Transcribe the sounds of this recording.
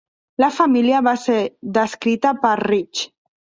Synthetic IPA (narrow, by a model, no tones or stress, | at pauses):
lafamiliaβaseɾðəskɾit̪apaɾrit͡ʃ